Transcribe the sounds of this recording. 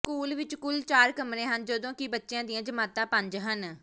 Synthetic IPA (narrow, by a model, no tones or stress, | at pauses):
kuːlʋɪt͡ʃkʊlt͡ʃaːɾkəmɾẽːɦənd͡ʒəd̪õːkɪbətːʃjãːd̪iãːd͡ʒəmaːt̪ãːpə̃ɲd͡ʒɦən